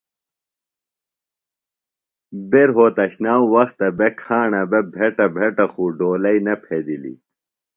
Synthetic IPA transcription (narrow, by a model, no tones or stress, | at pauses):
beɾɦoːt̪ɐɕnaːwwɐxt̪ɐbekʰaːɳɐbebʱeʈɐbʱeʈɐxuɖoːlɐinɐpʰed̪ilḭ